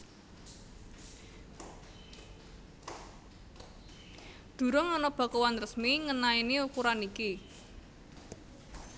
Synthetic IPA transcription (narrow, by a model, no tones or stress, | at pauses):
d̪̥ṳɾɔŋɔnɔb̥a̤kowanrəsmiŋənainiukuɾaniki